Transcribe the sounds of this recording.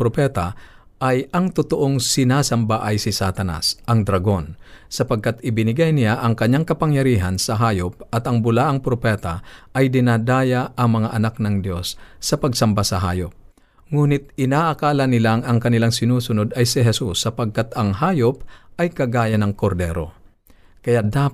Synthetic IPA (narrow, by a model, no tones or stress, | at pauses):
pɾopɛt̪a | ʔajɐŋt̪ʊt̪oʔoŋsɪnaːsɐmbaʔɐjsɪsaːt̪ɐna̰sʔɐŋd̪ɾɐɡo̞nsɐpɐɡ̚kat̪ɪbɪnɪɡajnɪjaʔɐŋkɐɲːaŋkɐpɐŋjɐɾiːɦɐnsɐɦaːjop̚ʔɐt̪ɐŋbʊlaːʔɐŋpɾopɛːt̪aʔɐjd̪ɪnaːd̪aːjaʔɐŋmɐŋaʔɐnak̚nɐŋd̪jo̞sːɐpɐɡsɐmbasɐɦaːjop̚ | ŋuːnɪt̪̚ɪnaːʔɐkaːlɐnɪlaŋɐŋkɐnɪlaŋsɪnuːsʊnod̪ɐjsɪɦɛsusːɐpɐɡ̚kat̪ɐŋɦaːjop̚ʔɐjkɐɡaːjɐnɐŋkoɾd̪ɛ̰ːɾo̞̰ | kɐjad̪a